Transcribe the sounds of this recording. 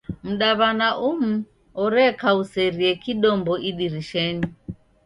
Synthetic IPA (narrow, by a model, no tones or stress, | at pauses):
m̩ɗaβanaʔum̩ | ɔɾɛkausɛɾiɛkiɗɔmbɔʔiɗiɾiʃɛɲi